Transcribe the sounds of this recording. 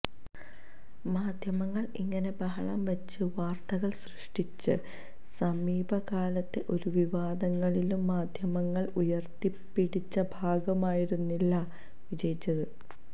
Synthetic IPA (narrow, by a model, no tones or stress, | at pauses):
maːd̪ʱjɐmɐŋːɐɭḭŋːɐne̞bɐɦɐɭɐ̰mʋɐt͡ɕːɨʋaːrt̪ɐɣɐɭsrɨʂʈit͡ɕːɨ | sɐmiːbʱɐkaːlɐt̪ːe̞ʔo̞ɾuʋiʋaːd̪ɐŋːɐɭilumːaːd̪ʱjɐmɐŋːɐɭujɐrt̪ipːiɽit͡ɕːɐbʱaːɡɐmaːjiɾunːilːɐ | ʋid͡ʑɐjit͡ɕːɐðɨ